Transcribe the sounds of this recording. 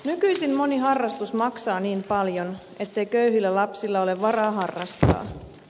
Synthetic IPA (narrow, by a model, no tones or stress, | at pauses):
nykyjsimmo̞niɦɑrːɑst̪usmɑksɑːniːmpɑljo̞n | e̞t̪ːe̞jkøyhilːælɑpsilːɑo̞le̞ʋʋɑrɑːɦɑrːɑst̪ɑ̰ː